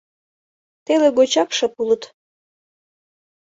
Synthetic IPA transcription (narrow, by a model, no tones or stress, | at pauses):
t̪eleɡot͡ɕɑkʃəpulət̪